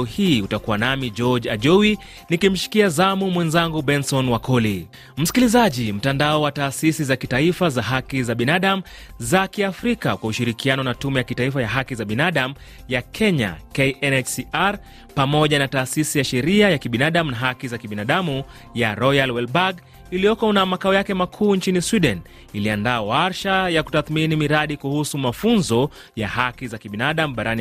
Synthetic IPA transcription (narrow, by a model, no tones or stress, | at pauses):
ɔhiutakuwanamid͡ʒɔd͡ʒaʄɔwi | nikim̩ʃi̥kiazamumwɛnzaŋɡuɓɛnsɔnwakɔli | m̩si̥kilizaʄim̩tandaɔwataːsisizakitaifazaɦakizaɓinaɗam̩ | zakiafɾikakwauʃiɾikianɔnatumɛjakitaifajaɦakizaɓinaɗam̩ | jakʰɛɲa̰kɛɛnɛt͡ʃsiaɾ | pamɔʄanataːsisijaʃɛɾiajakiɓinaɗam̩unaɦakizakiɓinaɗamu | jaɾɔjalwɛlbaɡ | ilijɔkɔnamakaɔjakɛmakʰuːnt͡ʃiniswiɗɛn | iliandaːwaɾʃajaku̥taθminimiɾaɗikuhusumafunzɔ | ja̰hakizakiɓinaɗam̩ɓaɾani